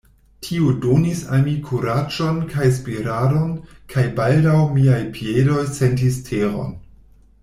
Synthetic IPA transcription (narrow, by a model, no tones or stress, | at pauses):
tʰiudonisa̰lmikʰuɾad͡ʒo̞nkʰajs̬piɾadonkʰajbaldawmiajpʰiedo̞jsentistʰeɾo̞̰n